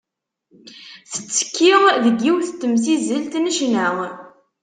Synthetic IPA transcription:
θə̥t͡sːə̥kːiʁðəɡːiwθət̪ːəmsizəlt̪nəʃnæʁ

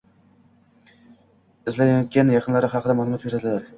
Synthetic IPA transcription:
ɪzlajjt̪̚ɡʲanjɑqʰɨnlaɾɪɦɑqʰɨd̪amɒnlɑp̚beɾad̪ɪlaɾ

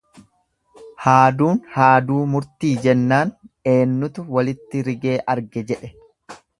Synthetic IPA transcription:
haːd̪uːnhaːd̪uːmʊɾt̪iːd͡ʒɛnːaːne̞ːnːʊt̪ʊwɐlɪt̪ːɪɾɪɡe̞ːʔɐɾɡɛd͡ʒɛᶑɛ

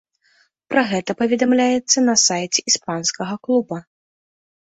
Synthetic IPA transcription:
pɾʔɐɣɛt̪ɐpɐvʲɛd̪amlʲajɛt̪sːɐnɐsajt͡sʲɛʔispanskɐɣɐklˠubɐ

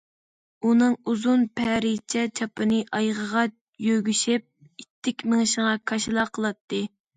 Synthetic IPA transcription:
unɨŋuzunpʰɛɾit͡ʃʰɛt͡ʃʰɑpɨnɨʔɑjʁəʁɑ | jøɡʲyʃɪp̚ | it̪ʰːɪkʲmɪŋɨʃəŋɑkʰɑʃilˠɑqʰəlˠɑt̪ʰːɨ

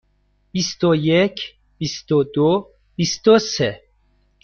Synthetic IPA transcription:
b̥ist̪ojecʰ | b̥ist̪od̪o | b̥ist̪ose

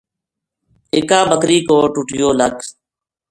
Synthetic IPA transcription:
ɪːkaːbəkɾiːkoːʈʊʈɪjoːlək

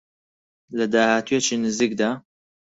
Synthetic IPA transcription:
lɐd̪aːhaːt̪ʰujet͡ʃiːnɨziːkd̪aː

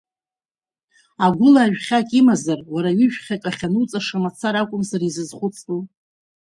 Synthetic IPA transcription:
aɡʷʊlaːʒᶣχʲakʼimazarwaɾaɥʏʒᶣχʲakʼaχʲanut͡sʼaʂamat͡sʰaɾakʷʼʊmzarizɨzχʷʊt͡sʰʼtʼu

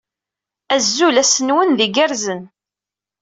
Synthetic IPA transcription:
æzːulæsənwənðiɡæɾzən

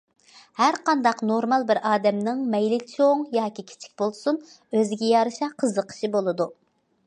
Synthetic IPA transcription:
hæɾqɑnd̪ɑqnoɾmɑlˠbɪɾɑːd̪ɛmnɨŋmɛjlɪt͡ʃʰoŋjɑːkʲikʲʰi̥t͡ʃʰi̥k̚ʲbolˠsun | øzɪɡʲɛjɑɾɨʃɑqʰəzəqʰə̥ʃibolˠɨd̪u

